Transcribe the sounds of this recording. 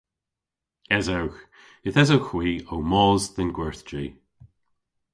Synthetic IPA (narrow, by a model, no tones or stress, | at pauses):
ɛzawx | ɡɪθɛzowxwiːowmɔːzd̪ənɡwɛɹθd͡ʒiː